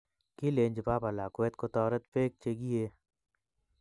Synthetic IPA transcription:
kileːnd͡ʒɐpaːpəlaːkoet̪kot̪ɔːɾət̪peːk̚t͡ʃeɡieː

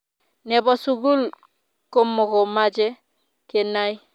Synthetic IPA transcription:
nebɔsuɡul | komːokomad͡ʒe | kenaj

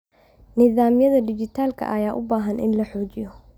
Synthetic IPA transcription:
nɪðaːmjɐðɐd̪ɪt͡ʃɪt̪ʰaːlkʰɐ̰ʔɐjaːʔʊ̰baːɦɐnʔɪ̰nlɐħɔːt͡ʃɪjɔ

